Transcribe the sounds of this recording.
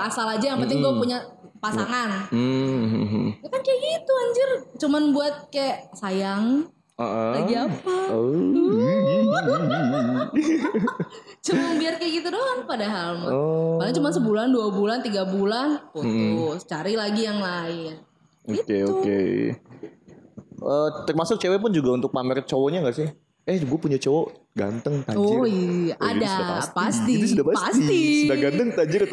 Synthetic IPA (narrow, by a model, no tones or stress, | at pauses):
asalad͡ʒajaŋpənt̪ɪŋɡuapuɲapasaŋan | ɦjakankaɛɡit̪uaɲd͡ʒʊrt͡ʃumanbuat̪̚kaɛsajaŋ | əʔlaiapa | t͡ʃumanbiarkaɡit̪udoanpadaɦalmakalaɲt͡ʃumansəbulanduabulant̪iɡabulanpom̩t̪ʊst͡ʃaɾilaɡijaŋlaɪn | okeokḛ | ʔəːt̪ərmasʊk̚t͡ʃewɛp̬ʊnd͡ʒuɡaunt̪ʊk̚pamɛɾɪt̪̚t͡ʃowɔɲaŋɡaʔsɪh | ɛhɡuapuɲat͡ʃowɔ | ɡa̰nt̪əŋt̪aod͡ʒɪiad͡ʒdasdapa̰past̪idis̬udahpapsasiisudaɡant̪əŋt̪aɲd͡ʒər